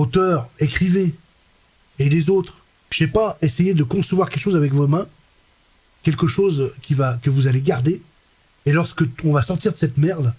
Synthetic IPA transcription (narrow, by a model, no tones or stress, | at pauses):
ot̪œʁekχive | lezot̪χ | ʃɛpaesejed̪əkɔ̃səvwaʁkɛlkʃozavɛkvomɛ̃ | kʲɛlkəʃozkʲivakəvuzaleɡaʁd̪eː | lɔʁskəɔ̃vasɔʁt̪iʁd̪əsɛt̪mɛʁd̪